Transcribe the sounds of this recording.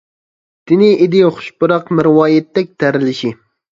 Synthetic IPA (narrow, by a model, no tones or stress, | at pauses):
t̪ɪnɪʔɪd̪ɪχʊ̥ʃbʊɾɑqmɪɾwɑːjɛt̪ːɛk̚ʲt̪ʰæɾɪlɪʃi